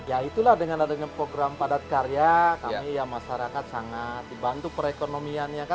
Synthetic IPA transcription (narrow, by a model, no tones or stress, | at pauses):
jait̪ulahdəŋanadaɲapɾoɡɾampadat̪̚kaɾijakamijamaʃaɾakat̪̚saŋat̪̚dibant̪upəɾekonomianɲaka